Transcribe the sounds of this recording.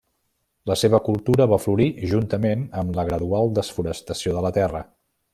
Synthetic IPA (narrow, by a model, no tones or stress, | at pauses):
ləseβ̞əkulˠt̪uɾəβafluɾiʒunt̪əmenəmləɣɾəðualˠd̪əsfuɾəst̪əsioðələt̪ɛrə